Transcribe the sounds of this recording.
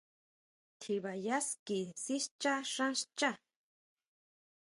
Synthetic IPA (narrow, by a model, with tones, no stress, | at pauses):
t̪ʰi˨βa˨ja˦ski˨si˦ʃt͡ʃa˦ʂã˦ʃt͡ʃa˦